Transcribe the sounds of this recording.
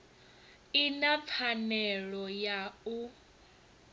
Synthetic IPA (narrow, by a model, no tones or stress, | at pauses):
inap̪fʰanɛɺɔjau